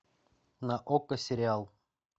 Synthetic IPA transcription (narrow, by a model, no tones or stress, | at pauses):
naʔokəsʲɪɾʲɪalˠ